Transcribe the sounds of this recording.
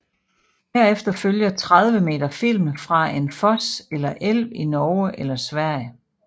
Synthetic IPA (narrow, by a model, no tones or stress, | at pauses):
hæɐ̰efd̥ɐføljɐt͡sʰʁað̞ˠʋəme̝̰ːd̥ɐfil̰mfʁɑ̈e̝nfɒ̽selɐʔel̰ʋinɒːəʔelɐsʋæɐ̰jə